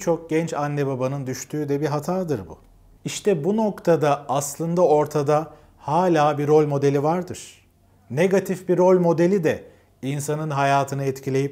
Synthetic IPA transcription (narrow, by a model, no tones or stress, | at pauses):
t͡ʃʰo̞k̚ɟɛnt͡ʃanːebabanɯnd̪yʃt̪ʰyːd̪ɛbiɦat̪ʰaːd̪ɯɾbṵ | iʃt̪ʰɛbuno̞kt̪ʰad̪aːslˠɯnd̪ao̞ɾt̪ʰad̪a | haːlʲaːbiɾo̞lʲmo̞d̪e̞lʲivaɾd̪ɯɾ̥ | ne̞ɡat̪ʰifbiɾo̞lʲmo̞d̪elʲid̪ɛ | insanɯnɦajaːt̪ʰɯnɯɛt̪cʰilʲe̞jip̚